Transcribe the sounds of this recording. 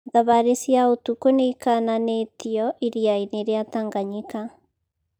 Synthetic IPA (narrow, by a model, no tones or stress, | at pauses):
ðaβaɾesjaotukoneikananetiɔʔiɾiaineɾeataŋɡaɲika